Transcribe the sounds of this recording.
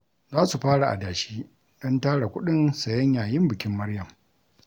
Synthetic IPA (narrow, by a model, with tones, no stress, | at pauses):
zaː˦su˨ɸaː˦ɽa˨ʔa̰˨daː˨ʃiː˦ | ɗɔ˦ntaː˦ɽa˨kʷʊ˦ɗɪ˦nsɐ˨jɐ˦ɲjaː˨jɪ˦mbɪ˨kʲɪ˦mːɐ˦rjɐ˨m